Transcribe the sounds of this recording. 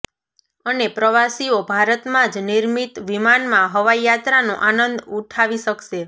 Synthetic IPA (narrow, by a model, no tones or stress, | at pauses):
ənepɾəʋasiobʱaɾət̪mãd͡ʒniɾmit̪ʋimanmãɦəʋajat̪ɾanũʔanənd̪uʈʰaʋiʃəkʃe